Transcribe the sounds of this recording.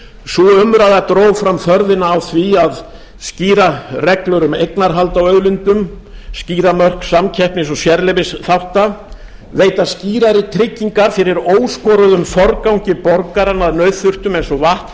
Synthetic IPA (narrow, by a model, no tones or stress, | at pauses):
suʏmɾajðat̪ɾoːwfɾamfœɾðɪnaːwθviað | sciːɾarɛklœɾʏmejknaɾɦalt̪awœðlʏnt̪ʏm | sciːɾamœr̥ksamcʰɛhpnɪsɔsjɛɾlɪvɪsθawht̪a | veːjt̪asciːɾaɾɪt̪ʰɾɪcːiŋkaɾfɪɾɪɾoːwskɔɾʏðʏmfɔɾkawɲcɪpɔɾkaɾanaðnœɥðθʏr̥t̪ʏmejnsɔvaht̪